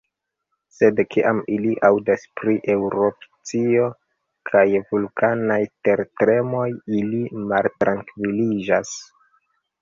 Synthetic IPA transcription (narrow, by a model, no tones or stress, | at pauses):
se̞dkʰiʔamiliʔawdaspɾiʔe̞wɾo̞pt͡sio̞ | kʰajvulkʰanajte̞ɾtɾe̞mo̞jilimaltɾʔaŋkvilid͡ʒas